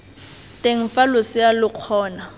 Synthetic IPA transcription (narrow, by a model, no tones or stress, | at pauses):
tʼeŋ̩falʊsɪjalʊq͡χʰɔːna